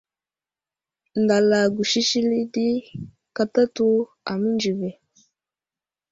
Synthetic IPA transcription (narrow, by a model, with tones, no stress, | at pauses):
n˨da˨la˨ɡu˨ʃi˦ʃi˦li˦di˦ | ka˦ta˦tu˦ | a̰˨mi˦nd͡ʒi˨vɛ˨